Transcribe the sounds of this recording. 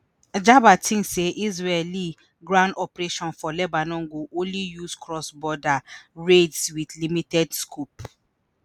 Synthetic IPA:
d͡ʒabatʰĩŋkseʔizɹɛli | ɡɾãndɔpɾeʃɔ̃nfɔlɛbanɔ̃ŋ̩ɡoʔõlijuskɹɔsbɔdaɹedswidlimitɛdskʰup

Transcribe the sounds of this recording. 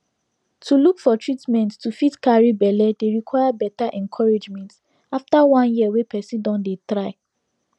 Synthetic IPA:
tʰulukfɔtʰɹitmɛ̃nttːufitkaɹibɛlɛdeɹikʰwaɪabɛtaʔɛ̃nkʰɔɹed͡ʒmɛ̃nt | aftawãnjiəwepɛsĩdɔ̃ndetɹaɪ

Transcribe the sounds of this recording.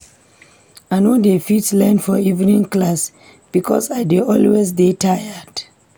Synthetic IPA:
aɪnodefitslɛ̃nfɔivnĩŋklas | b̥ikʰɔ̰sajdeɔlwezdetʰajəd̥

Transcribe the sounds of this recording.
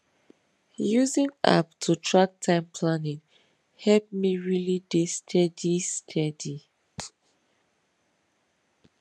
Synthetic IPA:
juzĩŋa̰p̚tʰutʰɹak̚tʰãɪ̃mpʰlanĩŋ | hɛlp̚miɹilidestʰɛdistʰɛdi

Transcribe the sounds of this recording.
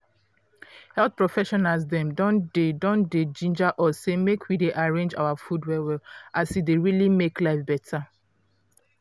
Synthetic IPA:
hɛlθ̚pɹɔfɛʃɔnals̬dɛ̃mdɔ̃ndedɔ̃nded͡ʒĩnd͡ʒaʔɔssːemekʰwideʔaɹẽnd͡ʒa̰wafudwɛwɛlasifdeɹilimeklaɪfbɛtʰa

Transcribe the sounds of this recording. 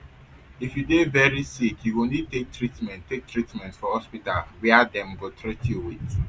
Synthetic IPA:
ifjudevɛɹisikjuwunitek̚tɹitmɛ̃nttːek̚tɹitmɛ̃ntfɔhɔspitalwɛadɛ̃mbɔtʰɹituwiks

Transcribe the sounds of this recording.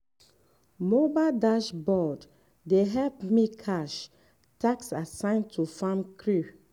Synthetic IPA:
mobadaʃbɔd | deɦɛlp̚mikʰaʃ | taksasãɪ̃ntʰufãmkʰɹu

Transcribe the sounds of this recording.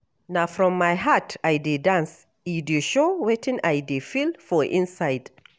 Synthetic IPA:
nafɾɔ̃mːajɦatajdedãns | idiʃowɛtʰɪ̃nʔajdefilfɔʔɪ̃nsajd

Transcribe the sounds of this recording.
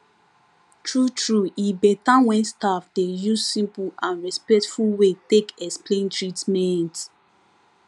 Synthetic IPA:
tʰɹutɹuibɛtãwɛ̃nstafdejuzsĩmpulãnɹɛspɛk̚tfulwetekɛksplẽntʰɹitmɛ̃nt

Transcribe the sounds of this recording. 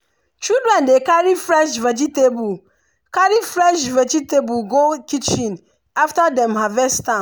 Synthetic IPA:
t͡ʃidɾɛ̃ndekaɾifɹɛʃvɛd͡ʒitebu | kaɹifɹɛʃvɛd͡ʒitebulɡokit͡ʃĩn | aftadɛ̃mɦavɛstã

